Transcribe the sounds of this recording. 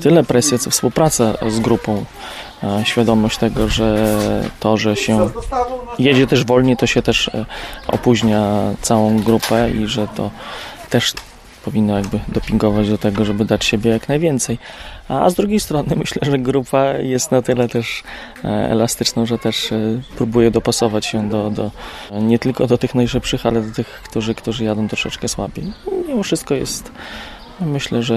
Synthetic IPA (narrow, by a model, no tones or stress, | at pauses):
t̪ɘlɛpɾɛsʲjɛt̪ɔfspuwpɾat̪sazɡɾupɔ̃w̃ | ɕfʲjad̪ɔmɔɕt͡ɕt̪ɛɡɔʐɛt̪ɔʐɛɕɛ | jɛd͡ʑɛt̪ɛʐvɔlɲɛt̪ɔɕɛt̪ɛʂʔɔ̰puʑɲat̪sawɔ̃w̃ɡɾupɛḭʐɛt̪ʰɔ̰t̪ɛʂ | pɔvʲinːɔjaɡbɘd̪ɔpʲiŋɡɔvad͡ʑd̪ɔt̪ɛɡɔʐɛbɘd̪at͡ɕɕebʲjɛjaknajvʲjɛnt̪sɛja̰zd̪ɾuɡʲejst̪ɾɔnɘmɘɕlɛʐɛɡɾupajɛst̪nat̪ɘlɛt̪ɛʂ | ɛ̰last̪ɘt͡ʂnɔ̃w̃ʐɛt̪ɛʂpɾubujɛd̪ɔpasɔvat͡ɕɕɛd̪ɔd̪ɔɲɛt̪ɘlkɔd̪ɔt̪ɘxnajʂɘpʂɘxalɛd̪ɔt̪ɘxkt̪uʐɘkt̪uʐɘjad̪ɔw̃t̪ɾɔʂɛt͡ʂkɛswa̰bʲḛjɔɲʲimɔfʂɘst̪̚kɔjɛ̰st̪ | mɘɕlɛʐɛ